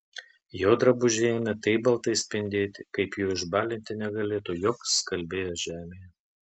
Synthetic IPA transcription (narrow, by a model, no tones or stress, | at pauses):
joːd̪ɾɐbʊʒʲeːmʲɛt̪ɐɪbɐlˠt̪ɐɪsʲpʲɪnʲd̪ʲeːt̪ʲɪkɐɪpjuːɪʒbɑːlʲɪnʲt̪ʲɪnʲɛɡɐlʲeːt̪uːjoːkskɐlʲbʲeːjoːʒʲæːmʲeːjɛ